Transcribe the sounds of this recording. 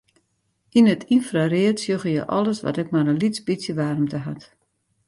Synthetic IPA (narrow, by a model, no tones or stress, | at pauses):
inətʰinfrariətsjøɣəjəʔɔ̰ləsʋɔ̰tɛk̚maɾənlit͡sbit͡sjəʋaːɾəmtəɦa̰t